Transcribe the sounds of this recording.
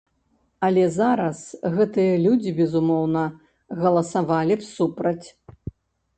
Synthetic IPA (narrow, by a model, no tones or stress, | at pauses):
ɐlʲɛzaɾɐsɣɛt̪ɨjɐlʲud͡zʲibʲɛzumɔwnɐ | ɣɐlˠɐsavalʲipsupɾɐt͡sʲ